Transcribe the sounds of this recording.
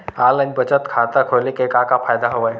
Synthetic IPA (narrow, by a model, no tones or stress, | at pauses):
alanibət͡ɕət̪kʰat̪akʰolekekakafajd̪aɦoʋaj